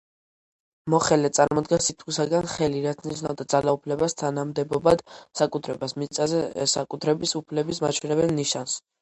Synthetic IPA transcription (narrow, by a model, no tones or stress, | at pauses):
mɔχɛlɛt̪sʼa̰ɾmɔd̪ɡɛnsit̪ʰχisaɡanχɛliɾat̪sʰniʃnavd̪ad̪zalaupʰlɛbast̪ʰanamd̪ɛbɔbad̪̥sakʼut̪ʰɾɛbasmit̪sʼazɛsakʼut̪ʰɾɛbisupʰlɛbismat͡ʃʰwɛnɛbɛlˠniʃans